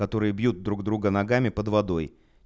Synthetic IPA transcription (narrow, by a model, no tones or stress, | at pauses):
ɐt̪o̞ɾɨjəbjut̪̚d̪ɾuɡd̪ɾuɡənɐɡamʲɪpəd̪vɐd̪o̞j